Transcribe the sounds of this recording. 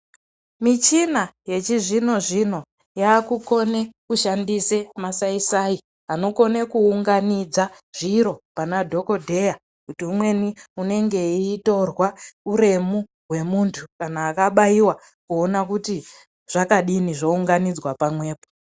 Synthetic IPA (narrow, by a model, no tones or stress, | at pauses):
mit͡ʃinaje̞t͡ʃiʐino̞ʐino̞ | jaːkuko̞ne̞kuʃandise̞masaisaːi | ano̞ko̞ne̞kuuŋɡanid͡za | ʐ̥iɾo̞panadʱo̞ko̞dʱe̞ja | kutiumwe̞niune̞ŋɡe̞iːto̞rwauɾe̞mu | ɦwe̞muntʰukanaːkaɓaiwa | kuonakuti | ʐ̥akaɗiniʐouŋɡanid͡zwapamwe̞ːpo